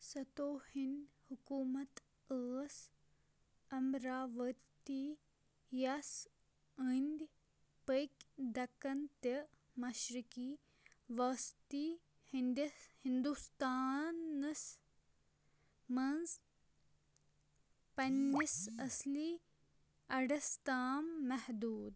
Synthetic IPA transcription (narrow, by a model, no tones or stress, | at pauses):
sɐt̪oːhinhukuːmɐt̪ | əːs | ɐmɾaːʋɐt̪i | jas | ənd̪ʲ | pəkd̪ɐkɐnt̪ɐ | mɐʃɾikiː | ʋɐːst̪i | hind̪ihind̪ust̪aːnɐs | mɐnz | pɐnːisɐsli | ɐɽɐst̪aːmːɐhd̪uːd̪